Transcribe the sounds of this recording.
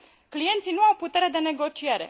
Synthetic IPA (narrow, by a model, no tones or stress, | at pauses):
klije̞nt̪sinuawput̪e̞ɾe̞d̪e̞ne̞ɡo̞t͡ʃie̞ɾe̞̰